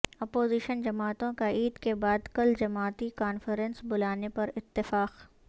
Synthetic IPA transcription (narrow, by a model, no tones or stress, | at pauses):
ɐpoːziːʃənd͡ʒɐmaːt̪õkaiːd̪kebaːd̪kɐld͡ʒɐmaːt̪ikaːnfəɾə̃nsbʊlaːnepɐɾɪt̪ːɪfaːq